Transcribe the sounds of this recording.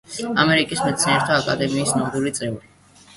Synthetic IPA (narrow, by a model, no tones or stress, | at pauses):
a̰mɛɾikʼismɛt̪sʰinɛɾt̪ʰaakʼa̰d̪ɛmiːsnad̪uɾit̪sʼɛuɾi